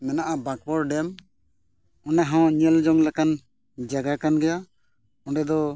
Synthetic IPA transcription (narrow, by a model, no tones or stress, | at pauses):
mɛnaʔabak̚bɔɾɖɛm | ɔnaɦɔ̃ɲɛld͡ʒɔŋlakan | d͡ʒaɡakanɡɛja | ɔ̃ɖɛd̪ɔ